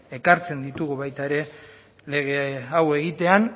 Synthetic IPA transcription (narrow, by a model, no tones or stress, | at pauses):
e̞kaɾt͡se̞nd̪it̪uɣuβajt̪aeɾe̞ | le̞ɣeawe̞ɣ̞it̪e̞an